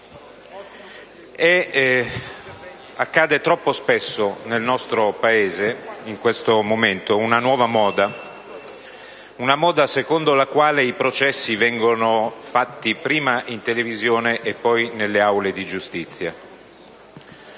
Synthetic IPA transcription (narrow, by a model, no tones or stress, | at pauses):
ɛ | akːaːd̪et̪ɾɔpːospesːonelnɔst̪ɾopaeːzeiŋkwest̪omoment̪ounanwɔːvamɔːd̪a | unamɔːd̪asekond̪olakwaːleipɾot͡ʃɛsːivɛŋɡonofat̪ːipɾiːmaʔint̪elevizjoːneʔepːɔjnelːeawled̪id͡ʒust̪it̪sːja̰